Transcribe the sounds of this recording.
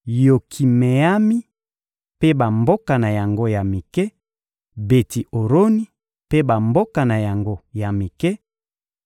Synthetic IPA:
jo˨kʰi˨me˨a˦mi˦ | pe˦ba˨mbo˦ka˨na˨ja˨ŋɡo˦ja˨mi˨kɛ˦ | be˨ti˨o˨ɾo˦ni˦ | pe˦ba˨mbo˦ka˨na˨ja˨ŋɡo˦ja˨mi˨kɛ˦

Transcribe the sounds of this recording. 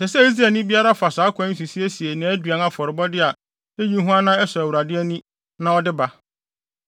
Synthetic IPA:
sɛ˨sɛ˦i˦s̬ɾɛ˨nĩ˦bi˦a˦ɾa˦fa˨saː˨˦kʷʰã˦s̬i˨si˦e˦si˨e˨nã˨æ˦dɥã˨na˦fɔ˨ɾɪ˨bɔ˦dɪ˦a˨ | e˦ji˦ɦũ˦a˦nã˦ɛ˦sɔ˨æ˨wu˨ɾa˨dɪ˦æ˦nĩ˦ | nã˦ɔ˦dɪ˦ba˨

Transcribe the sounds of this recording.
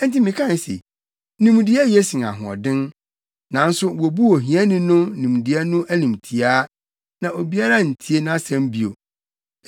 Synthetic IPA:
n̩˦ti˦mĩ˨kʰã˦n˦sḛ˨ | nĩ˨m˦dɪ˦ɛ˦je˦sĩ˨a̰˨ɦʊ̃˨ɔ̰˨dɪ̃˦n | nã˨n̩˦sʊ˦wo˨bu˦o˨ɦĩ˨˦ɛ˦nɪ̃˦nʊ̃˦nĩ˨m˨dɪ˨˦ɛ˦nʊ̃˦ʔæ˦nĩ˨mtʰi˨aː˦ | nã˨o˨bi˦a˦ɾa˦˨n̩˨tʰi˨e˦nã˦sɛ̃˦m˦bi˨o˨

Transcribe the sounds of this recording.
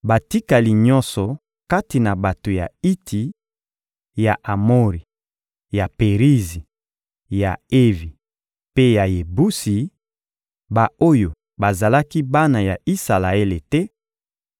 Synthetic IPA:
ba˨ti˦ka˨li˨ɲɔ̃˦nsɔ˨ | ka˦ti˨na˨ba˨to˨ja˨i˦tʰi˨ | ja˨ʔa˨mo˦ʁi˨ | ja˨pe˨ʁi˦zi˨ | ja˨e˦vi˨ | pe˦ja˨je˨bu˦si˨ | ba˨o˦jo˨ | ba˨za˨la˦ki˦ba˦na˨ja˨i˦sa˨la˨e˦le˨tɛ˦

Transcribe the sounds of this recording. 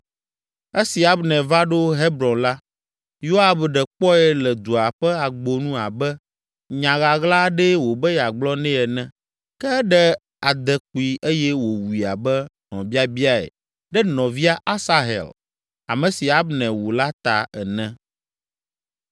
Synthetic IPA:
e˦si˨a˨bnɛ̃˨va˦ɖo˦ɦe˦bɾɔ̃˨nla˦ | jo˦a˨bɖɛ˨k͡pɔ˦ɛ˦lɛ˨d̪u˨a˨ɸɛ˦a˨ɡ͡bo˨nũ˦a˨bɛ˦ | ɲã˨ɣa˨ɣla˦ɖɛ˦wo˨bɛ˦ja˨ɡ͡blɔ˦nɛ̃˦ɛ˨nɛ̃˦ | kɛ˦ɖɛ˦ | a˨d̪ɛ˨k͡pu˨i˨ʔe˦jɛ˦wo˨wi˨a̰˨bɛ˦ | nɔ̃˨bi˦a˦bi˦a˦ɛ̰˨ | ɖɛ˦nɔ̃˨vi˦a˦ʔa˦sa˦ɦḛ˨l | a̰˨mɛ̃˨si˨a˨˦bnɛ̃˨wu˨la˦t̪a˨ɛ̰˨nɛ̃˦

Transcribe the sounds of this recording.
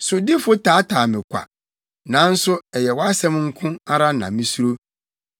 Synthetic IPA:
sʊ˨dɪ˦fʊ˦tʰaː˨˦tʰaː˨mɪ̃˨kʷʰa̰˨ | nã˨˦n̩˦sʊ˦ɛ˨jɛ˨wɔ˦a˦sɛ̃˦mŋ̩˦kʰʊ̃˦a˦ɾa˦nã̰˨mĩ˦su˦ɾo˦

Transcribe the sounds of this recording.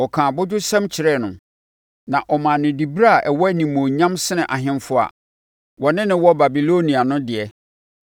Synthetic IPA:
ɔ˨kʰã˨bʊ˦dʊ˦sã˦mt͡ɕʰɪ˨ɾɛ˦˨nʊ̃˨ | nã˨ʔɔ˨mã˨nɪ̃˨di˨bɾa˦a˨ʔɛ˨wɔ˦nĩ˨mõː˨ɲã˦msɪ˦nɪ̃˨ʔa˨ɦɪ̃˦mfʊ˦a̰˨ | wɔ˨nɪ̃˦nɪ̃˦wɔ˦ba˨bi˨lo˦nĩ˨a˨nʊ̃˦dɪ˨ɛ˦

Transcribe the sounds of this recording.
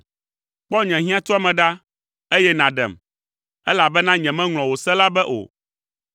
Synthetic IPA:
k͡pɔ˦ɲɛ̃˨ɦĩ˦ã˦t̪ɔ˦a˦mɛ̃˨ɖa˦ | e˦jɛ˦nã˨ɖɛ̰˨m | ɛ˦la˨bɛ˦nã˦ɲɛ̃˨mɛ̃˦ŋl̃ɔ̃˨wo˨sɛ̃˦la˦bɛ˦ʔo̰˨

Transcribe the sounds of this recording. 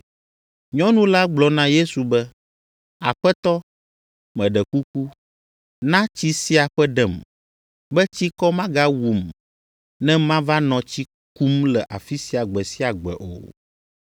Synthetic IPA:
ɲɔ̃˦nũ˦la˦ɡ͡blɔ˨nã˦je˦su˨bɛ˦ | a̰˨ɸɛ˦t̪ɔ˦ | mɛ̃˨ɖɛ˨ku˦ku˦ | nã˦t͡ɕi˦si˦a˨ɸɛ˦ɖɛ˨m | bɛ˦t͡ɕi˦kɔ˦mã˦ɡa˦wu˨m | nɛ̃˦mã˦va˦nɔ̃˨t͡ɕi˦ | ku˦mlɛ˨ʔa˨fi˦si˦a˨ɡ͡bɛ˨si˦a˨ɡ͡bɛ̰˨ʔo̰˨

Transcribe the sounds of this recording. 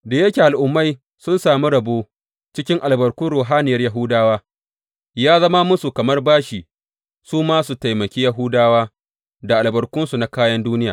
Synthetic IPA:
da˨jɐ˦kʲe˨ʔa˨lʔʊ˨mːa˦j | sʊ˦nsaː˨mi˦ɽɐ˨boː˦ | t͡ʃɪ˦kʲɪ˦ŋʔa˨lbɐ˨rkʷʊ˦nɾoː˨ɦaː˦nɪ˨jɐ˦rjɐ˦ɦʊ˦daː˦waː˦ | jaː˦zɐ˦ma˦mʊ˦su˨kɐ˨mɐ˦rbaː˦ʃiː˨ | suː˦maː˦su˨ta˨jmɐ˨kʲeː˦jɐ˦ɦʊ˦daː˦waː˦ | da˨ʔa˨lbɐ˨rkʷʊ˦nsu˨na˦kaː˦jɐ˦nduː˦nɪ˦jaː˨

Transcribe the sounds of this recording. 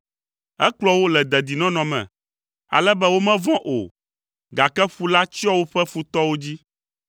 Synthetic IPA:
ɛ˦k͡plɔ˦wo˦lɛ˨d̪ɛ˨d̪i˨nɔ̃˦nɔ̃˨mɛ̰̃˨ | a̰˨lɛ˦bɛ˦wo˦mɛ̃˦vɔ̃˦ʔo̰˨ | ɡa˨kɛ˦ɸu˨la˦t͡ɕi˦ɔ˦wo˦ɸɛ˦fu˦t̪ɔ˦wo˦d͡ʑi˦

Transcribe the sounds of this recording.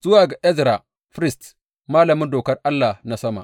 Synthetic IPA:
zʊ˦wa˨ɡa˨ʔɛ˦zɾa˨ | ɸɾi˦st | ma˦lɐ˨mu˦ndo˨kɐ˦rʔa˦lːa˨hna˦sɐ˦ma̰˨

